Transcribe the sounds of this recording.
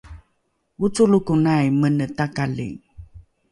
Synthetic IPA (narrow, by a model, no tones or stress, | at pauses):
ut͡sulukunajmənətakalḭŋ